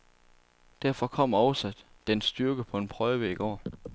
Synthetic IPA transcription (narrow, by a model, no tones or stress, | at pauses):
d̥æɐfɒ̽kʰɒ̽m̰ɒʊsæd̥ːensd̥yɐɡ̥əpʰɒ̽e̝npʰʁœːʋəiɡ̥ɒ̰ː